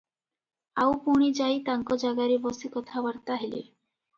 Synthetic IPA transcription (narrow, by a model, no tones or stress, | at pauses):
awpuɽ̃id͡ʒajt̪aŋkɔd͡ʒaɡaɾibɔsikɔt̪ʰabəɾt̪aɦelḭ